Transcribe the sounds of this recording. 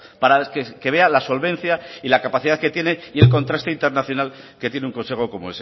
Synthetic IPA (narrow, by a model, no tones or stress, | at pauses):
paɾakeke̞β̞e̞alaso̞lβẽ̞n̟θjailakapaθiðaðke̞t̪je̞ne̞ie̞lkont̪ɾast̪o̞int̪eɾnaθjo̞nal | ke̞t̪je̞neuŋko̞nse̞xo̞ko̞moes